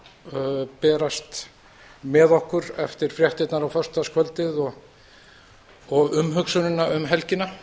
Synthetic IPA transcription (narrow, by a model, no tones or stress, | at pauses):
pɛːɾast̪ | mɛðɔhkʏɾɛft̪ɪɾ̥fɾjɛht̪ɪt̪naɾawfœr̥st̪askʰvœlt̪ɪðɔɣ | ɔɣʏmɦʏksʏnʏnaʏmɦɛlcɪna